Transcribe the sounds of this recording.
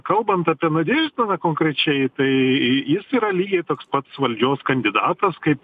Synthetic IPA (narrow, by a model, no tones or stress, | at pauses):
kɐlˠbɐnt̪ɐpʲiɛnɐd̪ʲeʒʲt̪ʲɪnɐkoːŋkɾʲɛt͡ʃʲɛɪt̪ɐɪjɪsiːɾɐlʲiːɡʲɛɪt̪oːkspɐt̪sʋɐlʲd͡ʒʲoːskɐnʲd̪ʲɪd̪ɑːt̪ɐskɐɪp